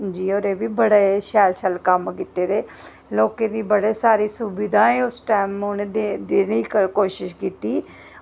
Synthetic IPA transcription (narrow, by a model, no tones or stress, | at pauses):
d͡ʒiːɔːɾeːbiːbəɽeʃɛːlʃəlkəmkiːt̪eːɾeː | loːkeːd̪iːbəɽeːsaːɾiːsʊbɪd̪ãːẽːʊsʈaːmʊnẽːd̪ed̪eːniːkəkoːʃɪʃkiːt̪iː